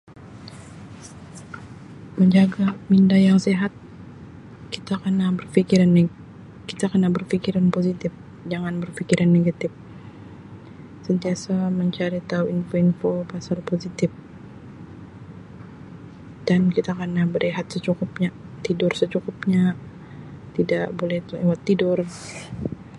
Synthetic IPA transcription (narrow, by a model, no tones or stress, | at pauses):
məɲd͡ʒaɡamindajaŋseɦat̪̚ | kit̪akənabərfikiɾanːe | kit̪akənabərfikiɾanposit̪ɪf | d͡ʒaŋanbərfikiɾʔanːeɡat̪ɪf | sənt̪iasaməɲt͡ʃaɾit̪auinfoinfopasalposit̪ɪf | d̥ankit̪akənabəɾeɦat̪̚sət͡ʃukʊp̚ɲat̪idʊrsət͡ʃukʊp̚ɲa | t̪idaʔbolɛht̪uewat̪ːidʊr